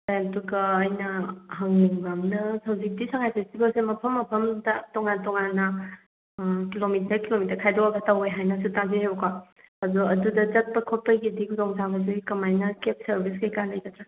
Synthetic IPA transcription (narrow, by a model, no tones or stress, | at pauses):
tajantuɡɐːjnɐɦɐŋɡamnɐsɐwzik̚disaŋajpʰestibɐlsemɐpʰɐmːɐpʰɐmdɐtɔŋantɔŋanːɐ | kilomitɐkilomitɐɾkʰajdɔwaɡataweɦajnɐsutazeɦeka | azɔɐdudɐd͡ʒɐt̚pɐkʰopɐjɡidikʰudɔŋzabɐzejkɐmajnɐkep̚sɐɾbʱis̬kajkalɐjkatʰɾa